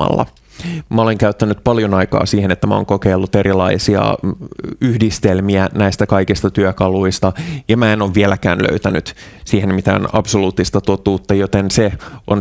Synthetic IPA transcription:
ɑ̰lːɑ̰ | mæoleŋkæyt̪ːænːˑyt̪pɑljonɑikɑ̰ːsiːhenet̪ːæmæo̰ːŋkokeilːut̪eɾilɑisiɑ̰ | yhdist̪elmiænæist̪ækɑikist̪ɑt̪yøkɑluist̪ɑjɑmæenoːʋʋielækæ̰ːnlø̰yt̪ænyt̪siːhenmit̪æ̰ːnɑpsoluːt̪ːist̪ɑt̪ot̪uːt̪ːɑjot̪enseʔon

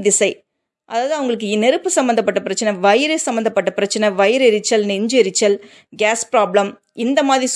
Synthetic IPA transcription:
ðɪsɐɪ | ʔɐðaːðɯɐʋɐŋɡɐɭɯk̬ːɯnɛɾɯpːɯsɐmbɐnd̪ɐpːɐʈːɐpɪɾɐt͡ʃːɐnɐʋɐɪɾesɐmbɐnd̪ɐpːɐʈːɐpɪɾɐt͡ʃːɐnɐʋɐjɾɛɾɪt͡ʃːɐlnɪɲd͡ʒɛɾɪt͡ʃːɐl | ɡaːspɾaːblɐm | ɪnd̪ɐmaːðɾis

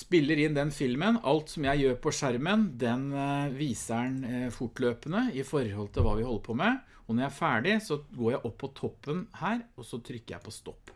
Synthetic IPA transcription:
spɪlːəɾɪnd̪ɛnfɪlmənɑlt̪sɔmjæɪjøːɾpʰɔʂæɾmənd̪ɛnʋiːsæɳfʊʈløːpənəɪfɔɾhɔlt̪ʰɪlʋɑ̰ːʋɪhɔlːəpʰɔmɛ | ɔnɔɾjæɪæɾfæːɖɪsɔɡoːɾjæɪʔɔpːɔt̪ʰɔpːənhæːɾɔsɔt̪ʰɾʏkːəɾjæ̰ɪpʰɔst̪ɔpː

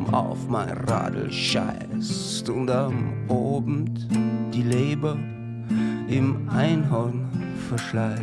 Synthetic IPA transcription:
a̰ʊfmaɪnʁa̰ːdl̩ʃa̰ɪss | tʊntamʔoːbm̩td̥iːleːbɐ | ʔɪmʔaɪnɦan | fɛɐʃlaɪ

